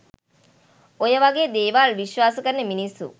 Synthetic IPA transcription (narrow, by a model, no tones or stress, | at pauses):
ojəʋaɡeːd̪eːʋaːlʋiʃʋaːsəkəɾneminisːṵ